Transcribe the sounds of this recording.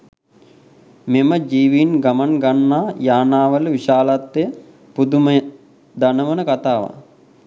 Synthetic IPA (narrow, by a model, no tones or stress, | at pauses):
meməd͡ʒiːʋiːnɡamanɡanːaːjaːnaːʋəlʋiʃaːlat̪ːeə | pud̪umə | d̪anəʋənəkat̪aːʋa̰